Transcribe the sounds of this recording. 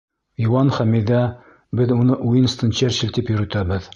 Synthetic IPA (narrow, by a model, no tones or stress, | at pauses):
iwɑnχæmiðæ | bɘðunɤʔujɤnst̪ɤ̆nt͡ɕæɾɕɘlt̪ipjɵ̆ɾɵ̆t̪æbɘð